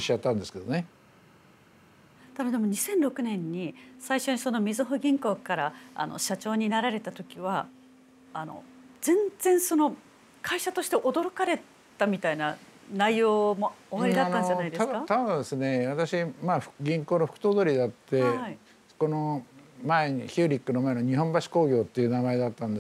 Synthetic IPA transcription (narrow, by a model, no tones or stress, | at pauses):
ɕat̪ːãnd̪esɨ̥ke̞d̪one | t̪aod̪e̞moɲ̟isẽ̞nɾo̞kɯ̟nẽ̞ɲ̟ːisaiɕo̞ɲ̟iso̞no̞mʲizɨɦoɡʲĩŋko̞ːkaɾaa̰no̞̰ɕat͡ɕo̞ːɲ̟inaɾaɾe̞t̪at̪o̞kʲiβaː | no̞̰zẽ̞nd͡zẽ̞ɰ̃so̞no̞ | kaiɕat̪o̞ɕi̥t̪e̞ʔo̞d̪o̞ɾo̞kaɾe̞ | t̪amʲit̪aina | naijo̞ːmo̞oβaɾid̪atnːãɲd͡ʑanaid̪eskat̪ãd̪esɨne̞βat̪aɕimaːɸɡʲĩŋko̞ːnoɸɯ̥kɯ̟̥t̪oːd̪oɾʲid̪at̪ːe̞ai | ko̞nomaeɲiçʲɨːɾʲikːɯno̞mae̞no̞ɲ̟iɦõ̞mbaɕi̥ko̞ːɡʲo̞ːt̪ːe̞iɯnamae̞d̪at̪ːãnd̪es